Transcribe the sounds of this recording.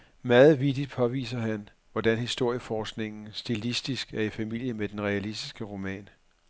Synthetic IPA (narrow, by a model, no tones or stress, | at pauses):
mɑːð̩ˠʋid̥id̥̚pʰɒ̽ʋḭːsɐhæn | ʋɒd̥ænhisd̥o̝ɐ̰jəfɒːsɡ̥ne̝ŋn̩sd̥ilisd̥isɡ̥æɐifæmil̰jəmed̥enʁɛælisd̥isɡ̥əʁo̝mɛ̰ːn